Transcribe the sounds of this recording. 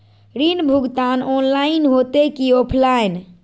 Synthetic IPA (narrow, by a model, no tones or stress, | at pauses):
ɾinbʱuɡt̪anɔnlainɦot̪ekiopʰlajn